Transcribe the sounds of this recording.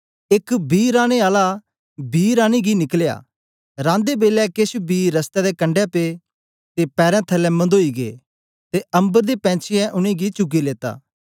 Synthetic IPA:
ɪkbiːɾãːɽ̃eaːla | biːɾãːñiɡinɪklja̰ː | ɾãːnd̪ebeːlɛkeʃbiːɾɐst̪ɛd̪ekɐ̃ɳɖɛpeː | t̪epɛːɾɛ̃t̪ʰɐlɛ̃mɐ̃nd̪oːiɡḛː | t̪eʔɐ̃mbəɾd̪epɛ̃ːt͡ʃʰɪjɛ̃ʔʊñẽːɡit͡ʃʊɡileːt̪a̰ː

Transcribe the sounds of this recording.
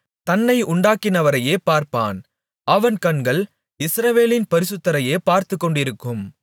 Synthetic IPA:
t̪ɐnːɐɪʊɳɖaːkːɪnɐʋɐɾɐjeːpaːɾpa̰ːn | ʔɐʋɐnkɐɳɡɐɭ | ɪsɾɐʋeːlɪnpɐɾɪsɯt̪ːɐɾɐjeːpaːɾt̪ɯkːɔɳɖɪɾɯkːɯm

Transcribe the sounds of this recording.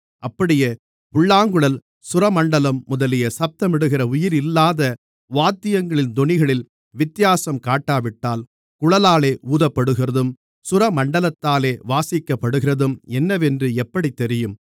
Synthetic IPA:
ɐpːɐɽɪjɐ | pʊɭːaːŋɡɯɭɐl | sʊɾɐmɐɳɖɐlɐmːʊðɐlɪjɐsɐp̚t̪ɐmɪɽɯɣɪrɐʊjɪɾɪlːaːðɐ | ʋaːt̪ːɪjɐŋɡɐɭɪnd̪ɔɳɪɣɐɭɪl | ʋɪt̪ːɪjaːsɐmkaːʈːaːʋɪʈːaːl | kʊɻɐlaːleːʔuːðɐpːɐɽɯɣɪrɐðɯm | sʊɾɐmɐɳɖɐlɐt̪ːaːleːʋaːsɪkːɐpːɐɽɯɣɪrɐðɯmɛnːɐʋɛndrɯɛpːɐɽit̪ːɛɾɪjɯm

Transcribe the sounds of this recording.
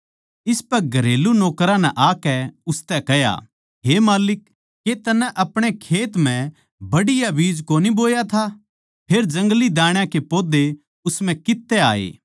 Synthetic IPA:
ɪspɛɾɡʱɐɾeːlunoːkɾãnɛʔaːkɛʊst̪ɛkɛja̰ | ɦemaːlɪk̚ː | et̪ɐnːɛ̃ʔɐpɽ̃ekʰeːt̪m̤ɛ̃ | bɐɽɪjabiːd͡ʒkoːniboːjat̪ʰa | pʰeːɾd͡ʒɐ̃ŋɡlid̪ãːɽ̃jãkepoːd̪e | ʊsmɛ̃kɪt̪ːɛa̰ːḛː

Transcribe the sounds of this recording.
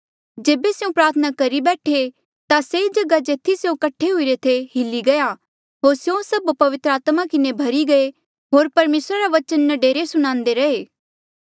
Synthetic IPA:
d͡ʒeːbeseũpɾaːɾt̪ʰənakɐɾibɛːʈʰe | t̪aseːd͡ʒɐɡad͡ʒeːt̪ʰːiseõkɐʈʰːeɦʊiɾet̪ʰeɦɪlːiɡɐja | ɦoːɾsjõsɐbpɐʋɪt̪ɾəaːt̪makɪnebʱɐɾiɡɐe | ɦoːɾpɐɾmeːsɾaɾaʋɐt͡ʃənːɐɖeːɾesʊɽ̃ãːnd̪eɾɐɦeː

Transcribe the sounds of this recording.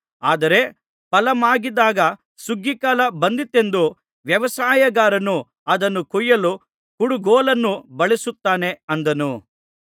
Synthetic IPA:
aːd̪ɐɾe̞ | pɐlɐmaːɡid̪aːɡɐ | suɡːikaːlɐbɐnd̪it̪ːe̞nd̪u | ʋjɐʋɐsaːjɐɡaːɾɐnu | ɐd̪ɐnːukujːɐlu | kuɽuɡɔːlɐnːubɐɭisut̪ːaːne̞ɐnd̪ɐnu

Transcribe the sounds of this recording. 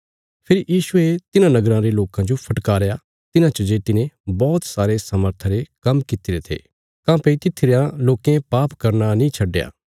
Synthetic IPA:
pʰɪɾijiːʃʊet̪ɪnãnɐɡɾãɾeloːkãd͡ʒopʰɐʈkaːɾja | t̪ɪnãt͡ʃəd͡ʒeːt̪ɪnẽbɔːt̪saːɾesaməɾt̪ʰəɾekɐmkɪt̪iɾet̪ʰḛː | kãːpɐit̪ɪt̪ʰɪɾjãloːkẽpaːpkɐɾnanĩːt͡ʃʰɐɖːeja̰ː

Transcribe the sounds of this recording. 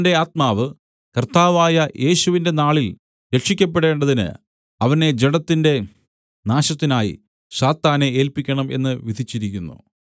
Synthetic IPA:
nde̞aːt̪̚maːʋɨ | kɐrt̪aːʋaːjɐjʔe̞ːɕuʋinde̞naːɭil | ɾe̞kʂikʲːɐp̬ːe̞ɽe̞ːɳɖɐðinɨ̰ | ɐʋɐne̞d͡ʑeɽɐt̪ːinde̞ | naːɕɐt̪ːinaːjḭ | ɕaːt̪ːaːnee̞ːlpikʲːɐɳɐmʔe̞̰nːɨʋid̪ʱit͡ɕːiɾikʲːunːṵ

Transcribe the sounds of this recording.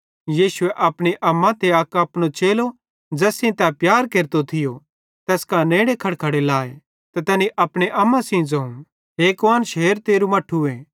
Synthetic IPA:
jiːsʊeʔɐpɽ̃eʔɐmːãt̪eɐkɐpñot͡ʃeːlo | d͡ʒɛːsĩt̪ɛpjaːɾkeːɾt̪ot̪ʰɪjo | t̪ɛːskãnẽːɽekʰɐɽkʰɐɽelaːe | t̪ɛt̪ɛːniʔɐpɽ̃eʔɐmːãsĩd͡zɐũ | ɦeːkʋaːnʃeːɾt̪eːɾumɐʈʰːuẽː

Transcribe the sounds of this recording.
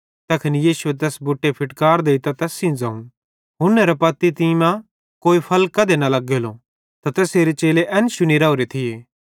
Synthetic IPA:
t̪ɐkʰɐnijiːʃuet̪̬ɛːsbʊʈːepʰɪʈkaːɾd̪eːit̪at̪ɛːsĩd͡zɐːũ | ɦʊnːɛɾɐpɐt̪ːit̪iːmã | koːipʰɐlkːɐd̪enalɐɡelo | t̪at̪ɛːseːɾet͡ʃeːleʔɛnʃʊniɾaːoɾet̪ʰɪjeː

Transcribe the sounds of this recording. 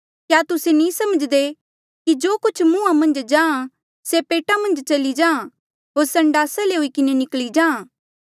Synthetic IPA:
kjaːt̪ʊsenĩːsɐməd͡ʒd̪e | kid͡ʒoːkʊt͡ʃʰmũːãmɐ̃nd͡ʒd͡ʒãːã | sepeːʈamɐ̃nd͡ʒt͡ʃɐlid͡ʒãːã | ɦoːɾsɐ̃ɳɖaːsaleɦʊikɪnenɪklid͡ʒãːã

